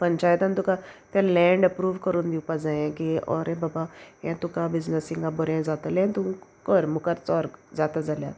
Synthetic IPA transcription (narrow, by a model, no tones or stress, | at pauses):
pɐɲt͡ʃaːjt̪ant̪ukat̪ẽlɛ̃ːɳɖɐpɾuːʋkəɾund̪iupazaẽkiɔ̰ːɾebaːbajẽt̪ukabɪznəsĩŋɡabɔɾẽzaːt̪alẽnt̪ukoːɾmʊkəɾt͡sɔːɾzaːt̪ad͡zalja̰